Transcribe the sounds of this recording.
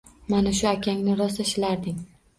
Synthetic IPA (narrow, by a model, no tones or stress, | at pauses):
manaʃ̬ʊakʲʰaŋnɪɾɒst̪aʃɪlaɾd̪ɪŋ